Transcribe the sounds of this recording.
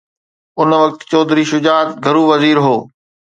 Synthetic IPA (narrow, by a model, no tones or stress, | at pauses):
ʊnʋɐk̚t̪t͡ɕɔːd̪ɾiːʃʊd͡ʑaːd̪ɡʱɐɾuːʋɐziːɾɦoː